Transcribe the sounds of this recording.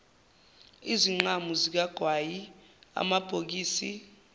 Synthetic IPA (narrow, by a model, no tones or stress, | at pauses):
iziŋ͡ǃamuzik̬aɡ̥ʱwajia̰mab̥ʱok̬iːsi